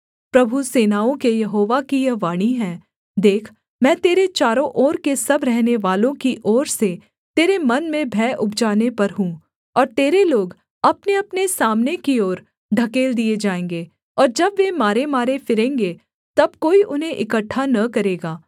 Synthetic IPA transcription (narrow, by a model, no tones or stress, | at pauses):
pɾɐbʱuseːnaːõkejɐɦoːʋakijɐʋaːɽ̃iɦɛ̃ː | d̪eːkʰ | mɛ̃ːt̪eːɾet͡ʃaːɾõʔɔːɾkesɐbɾɛɦneʋaːlõkiʔɔːɾse | t̪eːɾemɐnmẽbʱɛːʔʊbd͡ʒaːnepɐɾɦũ | ɔːɾt̪eːɾeloːɡ | ɐpneɐpnesaːmnekiɔːɾ | ɖʱɐkeːld̪ied͡ʒaːẽːŋ̆ɡeː | ɔːɾd͡ʒɐbʋemaːɾemaːɾefɪɾẽːŋɡe | t̪ɐb̚koːiʔʊnɦẽʔɪkəʈʰːanɐkɐɾeːɡaː